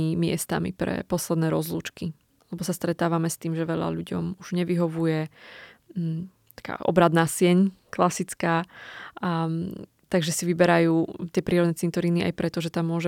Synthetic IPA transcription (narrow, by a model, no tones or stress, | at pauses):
imɪɛ̰st̪a̰mḭpɾɛ̰pɔslɛd̪nɛːɾɔzlṵːt͡ʃki | lɛbɔsast̪ɾɛt̪aːʋamɛst̪iːmʒɛʋɛʎa̰ʎuɟɔ̰muʒ̥ɲɛʋiɦɔʋujɛ | t̪ḁka̰ːʔɔ̰bɾad̪naːsɪɛɲklasit͡skaː | t̪aɡʒɛsiʋibɛɾajuːt̪ɪɛpɾiːɾɔd̪nɛt͡sint̪ɔɾiːnia̰jpɾɛt̪ɔʒɛt̪amːʊɔʒɛ